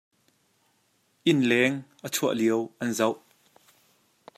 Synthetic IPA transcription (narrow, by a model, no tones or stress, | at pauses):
ʔɪnlɛŋʔət͡sʰuɐʔliəwʔɐnzɐwʔ